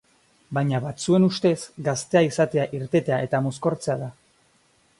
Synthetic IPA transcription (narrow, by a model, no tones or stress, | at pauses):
bajɲaβat͡sue̞nust̪e̞sɡast̪e̞aisat̪e̞aʔiɾt̪e̞t̪e̞ae̞t̪amo̞sko̞ɾt͡se̞aða